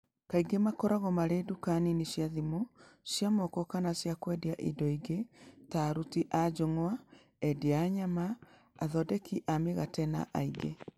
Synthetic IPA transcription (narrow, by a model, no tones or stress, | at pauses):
kaiɡemakɔɾaɣɔmaɾedukaninisjaðimosjamɔkɔkanasjakwɛdiaʔḭdɔiɡetaːɾutiʔad͡ʒoŋwa | ɛdeaɲamaː | ðɔdɛkiʔameɣatɛna̰ʔa̰iɡḛ